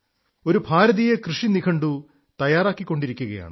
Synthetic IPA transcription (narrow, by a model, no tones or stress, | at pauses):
o̞ɾubʱaːɾɐðijekrɨʂinikʰɐɳɖu | t̪ɐjaːraːkːikːo̞ɳɖiɾikʲːuɣɐja̰ːɳɨ